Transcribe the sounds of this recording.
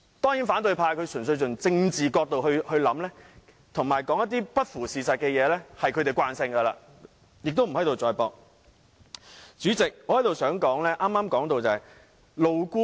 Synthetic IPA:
t̪ɔː˥ŋjiː˨˥nfaː˨˥nt̪ɵ˨˧ɥpʰaː˧jkʰɵ˨˧ɥsɵ˨˩ns̬ɥt͡sʊ˨ŋt͡sɪ˧ŋt͡siː˨kɔː˧k̚t̪o˨whɵ˧hɵ˧ɥlɐ˨˧˥mlɛː˥ | t̪ʰʊ˨˩ŋmaː˨jkɔː˨˥ŋjɐ˥t̪iː˥pɐ˥t̚fuː˨˩siː˨˩sɐ˨t̚kɛː˧jɛː˨˧lɛː˥hɐ˨jkʰɵ˨˧˥t̪e˨˩jkwaː˧nsɪ˧ŋkɐ˧la̰ː˧ | jɪ˨k̚t̪o˥wm̩˨˩ɦɐ˥jt̪o˨wt͡sɔː˨˧jpɔː˧k̚ | t͡ʃyː˨˥t͡sɪ˨k̚ɔː˧hɐ˨˥jt̪o˨wsœː˨˥ŋkɔː˨˥ŋlɛː˥ʔaː˥maː˥mkɔː˨˥ŋt̪o˨˧wt͡sɐ˨˩ɐ˨j | lo˨wkuː˥

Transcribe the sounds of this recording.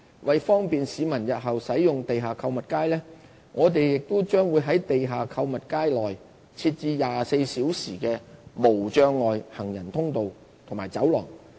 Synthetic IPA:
wʔɐ˨jfɔː˥ŋpiː˨nsiː˨˧mɐ˨˩njɐ˨t̚ɦɐ˨wsɐ˨˥jjʊ˨ŋt̪e˨jɦaː˨kʰɐ˧wmɐ˨t̚kaː˥jlɛː˥ | ŋʔɔː˨˧t̪̬e˨jjɪ˨k̚t̪ʊ˥wt͡ʃœː˥ŋwuː˨˧jɦɐ˨˥jt̪e˨jɦaː˨kʰɐ˧wmɐ˨t̚kaː˥jlɔː˨˩j | t͡sʰiː˧t̚t͡siː˧jaː˨se˧jsiː˨˥wsiː˨˩kɛː˧mo˨˩wt͡ʃœː˧ŋːɔː˨jhɐ˨˩ŋjɐ˨˩nt̪ʰʊ˥ŋt̪o˨w | t̪ʰʊ˨ŋmaː˨˩jt͡sɐ˨˥wlɔ̰ː˨˩ŋ

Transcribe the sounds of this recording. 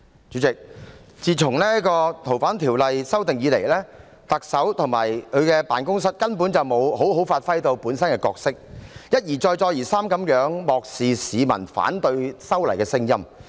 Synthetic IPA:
t͡ʃyː˨˥t͡sɪ˨k̚ | t͡siː˨˩t͡sʰʊ˨˩ŋlɛː˥kɔː˧t̪ʰo˨˩wfaː˨˥nt̪ʰiː˨˩wlɐ˨jsɐ˥wt̪ɪ˨ŋjiː˨˧le˨˩jlɛː˥ | t̪ɐ˨k̚sɐ˨˥wt̪ʰʊ˨˩ŋmaː˨˩jkʰɵ˨˧kɛː˧pa̰ː˨nkʊ˥ŋs̬ɐ˥t̚kɐ˥npuː˨˥nt͡sɐ˨˩wmo˨˧who˨˥wɦo˨˥wfaː˧t̚fɐ˥jt̪o˧wpuː˨˥nsɐ˥nkɛː˧kɔː˧k̚sɪ˥k̚jɐ˥t̚jiː˨˩t͡sɔː˧jt͡sɔː˧jiː˨˩saː˥mkɐ˨˥mjœː˨˥ŋmɔː˨k̚siː˨siː˨˧mɐ̰˨˩nfa̰ː˨˥nt̪ɵ˧ɥsɐ˥wlɐ˨˩jkɛː˧sɪ˥ŋjɐ˥m

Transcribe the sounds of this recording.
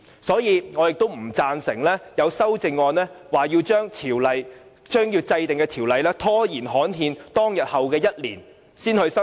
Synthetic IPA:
sɔː˨˥jiː˨˧ŋɔː˨˧jɪ˨k̚t̪o˥wm̩˨˩t͡saː˧nsɪ˨˩ŋlɛː˥jɐ˨˧wsɐ˥wt͡sɪ˧ŋːɔː˧nlɛː˥waː˨˩jiː˧wt͡ʃœː˥ŋt̪ʰiː˨˩wlɐ˨j | t͡ʃœː˥ŋjiː˧wt͡sɐ˧jt̪ɪ˨ŋkɛː˧t̪ʰiː˨˩wlɐ˨jlɛː˥t̪ʰɔː˥jiː˨˩nɦɔː˨˥nɦiː˧nt̪ɔː˥ŋjɐ˨t̚hɐ˨wkɛː˧jɐ˥t̚lḭː˨˩n | siː˥nhɵ˧ɥsɐ˥

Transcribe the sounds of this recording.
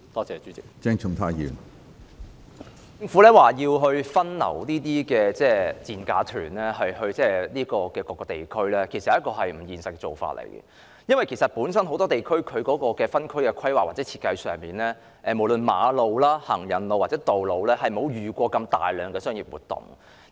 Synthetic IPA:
t̪ɔː˥t͡sɛː˨t͡ʃyː˨˥t͡sɪ˨k̚t͡sɛː˥ŋt͡ʃʰʊ˥˩ŋt̪ʰaː˥jḭː˨˩n | t͡sɪ˧ŋfuː˨˥lɛː˥waː˨jiː˧wɦɵ˧ɥfɐ˥nlɐ̰˨˩wniː˥t̪iː˥kɛː˧t͡sɛː˥˩t͡siː˨nkaː˨˧t̪ʰyː˨˩nlɛː˥ɦɐ˨jhɵ˧ɥt͡sɛː˥liː˥kɔː˧kɛː˧kɔː˧kːɔː˧t̪e˨jkʰɵ˥ɥlɛː˥kʰe˨˩jsɐ˨ɐ˨˦˥kɔː˧ɦɐ˨jm̩˨˩jiː˨nsɐ˨t̚kːɛː˧t͡so̰˨wfa̰ː˧t̚lḛ˨˩jkɛ̰˧ | jɐ˥nwɐ˨jkʰe˨˩jsɐ˨t̚puː˨˥nsɐ˥nɦo˨˧wt̪ɔː˥t̪e˨jkʰɵ˥ɥkʰɵ˨˧ɥkɔː˨˥kɔː˧kɛː˧fɐ˥nkʰɵ˥ɥkɛ˧kʰɐ˥jwaː˨k̚waː˨t͡sɛː˨˦˥t͡sʰiː˧t̚kɐ˧jsœː˨˩ŋmiː˨˩nlɛː˥ | ʔɛː˨˩mo˨˩wlɵ˨nma̰ː˨˥lo˨˧wlaː˥hɐ˨˩ŋjɐ˨˩nlo˧waː˨˩t͡sɛː˨˥t̪o˨wlo˨˧wlɛː˥hɐ˨jm̩˨o˨˧wjyː˨kʷɔː˧kɐ˧mt̪a̰ː˨jlœː˨ŋkɛː˧sœː˥ŋjiː˨˩p̚wṵː˨˩t̪ʊ̰˨˩ŋ

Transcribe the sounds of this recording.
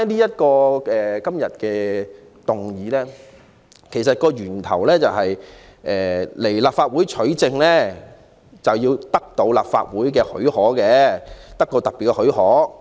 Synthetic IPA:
niː˥jɐ˥t̚kɔː˧ɛ˨kɐ˥mjɐ˨t̚kɛː˧ | t̪ʊ˨ŋjiː˨˥lɛː˥ | kʰe˨˩js̬ɐ˨t̚kɔː˧ɥyː˨˩nt̪ʰɐ˨˩wlɛː˥t͡sɐ˨whɐ˨j | ʔɛː˨le˨˩jlaː˨p̚faː˧t̚wuː˨˥jt͡ʃʰɵ˨˥ɥt͡sɪ˧ŋlɛː˥ | t͡sɐ˨wjiː˧wt̪ɐ˥k̚t̪o˧wla̰ː˨p̚fa̰ː˧t̚wuː˨˥jkɛː˧hɵ̰˨˥ɥhɔː˨˥kɛː˧t̪ɐ˥k̚kːɔ˧wt̪ɐ˨k̚piː˨t̚kɛ˧hɵ˨˥ɥhɔː˨˥

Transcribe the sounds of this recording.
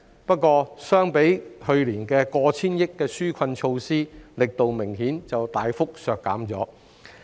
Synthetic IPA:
pɐ˥t̚kːɔː˧sœː˥ŋpe˨˥jhɵ˧ɥliː˨˩nkɛː˧kɔː˧t͡sʰiː˥njɪ˥kːɛː˧syː˥kʰɐ˧nt͡ʃʰo˧wsiː˥lɪ˨k̚t̪o˨wmɪ˨˩ŋɦiː˨˥nt͡sɐ˨wt̪aː˨jfʊ˥k̚sœː˨kːa̰ː˨˥mt͡sɔː˨˥

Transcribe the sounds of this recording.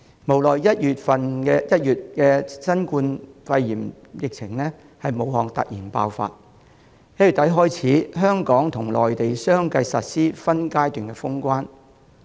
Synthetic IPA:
mo˨˩wlɔː˨jjɐ˥t̚jyː˨t̚fɐ˨nɛ˧jɐ˥t̚jyː˨t̚kɛː˧sɐ˥nkuː˧nfɐ˧jjiː˨˩m | jɪ˨k̚t͡sʰɪ˨˩ŋlɛ˥ | hɐ˨jmo˨˧wɦɔː˨˩ŋt̪ɐ̰˨k̚jiː˨˩npa̰ː˧wfa̰ː˧t̚ | he˨˥y˨˩t̪ɐ˨˥jɦɔː˥jt͡sʰiː˨˥ɦœː˥ŋkɔː˨˥ŋt̪ʰʊ˨˩ŋlɔ̰ː˨jt̪e˨jsœː˥ŋkɐ˧jsɐ˨t̚siː˥fɐ˥nkaː˥jt̪yː˨nkɛː˧fʊ˥ŋkʷaː˥n

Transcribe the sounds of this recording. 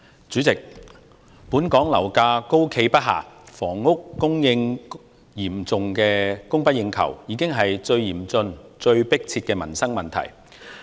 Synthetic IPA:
t͡ʃyː˨˥t͡sɪ˨k̚ | puː˨˥nkɔː˨˥ŋlɐ˨˩wkaː˧ko˥wkʰe˧jpɐ˥t̚ɦa̰ː˨fɔː˨˩ŋːʊ˥kːʊ˥ŋjɪ˧ŋ | jiː˨˩mt͡sʊ˨ŋkɛː˧kʊ˥ŋpɐ˥t̚jɪ˧ŋkʰɐ̰˨˩wjiː˨˥kɪ˥ŋɦɐ˨jt͡ʃɵ˧ɥjiː˨˩mt͡sɵ˧nt͡sɵ˧ɥpɪ˥k̚t͡sʰiː˧t̚kɛː˧mɐ˨˩nsɐ˥ŋmɐ˨nt̪ʰɐ̰˨˩j

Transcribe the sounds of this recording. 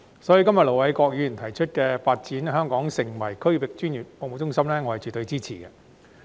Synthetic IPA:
sɔː˨˥ji˧kɐ˥mjɐ˨t̚lo˨˩wɐ˨˥jkɔː˧k̚jyː˨˧jyː˨˩nt̪ʰɐ˨˩jt͡ʃʰɵ˥t̚kɛː˧faː˧t̚t͡siː˨˥nɦœː˥ŋkɔː˨˥ŋsɪ˨˩ŋwɐ˨˩jkʰɵ˥ɥwɪ˨k̚t͡ʃyː˥njy˨˩t̚poː˨mo˨˩t͡ʃʊ˥ŋsɐ˥mlɛː˥ŋɔ˨˧hɐ˨jt͡ʃyː˨˩t̪ɵ˧ɥt͡siː˥t͡sʰiː˨˩kɛ˧

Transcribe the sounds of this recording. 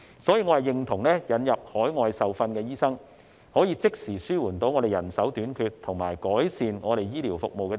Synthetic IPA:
sɔː˨˥jiː˨˧ŋɔː˨˧˥hɐ˨jɪ˨ŋt̪ʰʊ˨˩ŋlɛː˥jɐ˨˥njɐ˨p̚hɔː˨˥jŋɔː˨˧jsɐ˨wfɐ˧nkɛː˧jiː˥sɐ˥ŋ | hɔː˨˥jiː˨˧t͡sɪ˥k̚siː˨˩syː˥wuː˨˩nt̪o˨˧˥wŋɔː˧ɾe˨jɐ̰˨˩nsɐ˨˥wt̪yː˨˥nkʰyː˧t̚t̪ʰʊ˨˩ŋma̰ː˨˩jkɔː˨˥jsiː˨nŋɔː˨˧ɾe˨jjiː˥liː˨˩wfʊ˨k̚mo˨wkɛː˧

